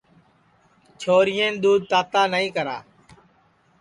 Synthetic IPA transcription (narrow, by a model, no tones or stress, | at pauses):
t͡ʃʰoːɾɪjẽːnɗ̪uːd̪̚t̪aːt̪aːnəĩːkəɾa̰ː